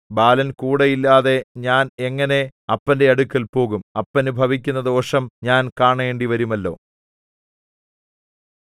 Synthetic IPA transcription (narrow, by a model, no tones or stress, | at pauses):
baːlɐnkuːɽejilːaːðe̞ɲaːneŋːɐne̞ɐpːɐnde̞ɐɽukːɐlpo̞ːɣumɐpːɐnubʱɐʋik̬ʲːunːɐd̪o̞ːʂɐmɲaːnkaːɳɐe̞ːɳɖiʋɐɾumɐlːo̞̰ː